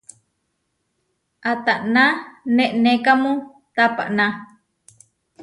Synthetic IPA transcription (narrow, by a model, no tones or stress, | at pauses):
at̪aʔnãnẽʔnẽkamũ | t̪apa̰ʔnã